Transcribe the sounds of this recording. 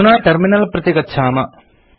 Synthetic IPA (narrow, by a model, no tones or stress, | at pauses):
naːʈerminɐlprɐt̪jeɣɐt͡ɕʰaːmɐ